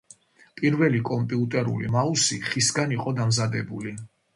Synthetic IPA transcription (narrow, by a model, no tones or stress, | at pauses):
pʼiɾvɛlikʼɔmpʼiut̪ʼɛɾṵlḭmausiχisɡaniqʼɔd̪amzad̪ɛbuli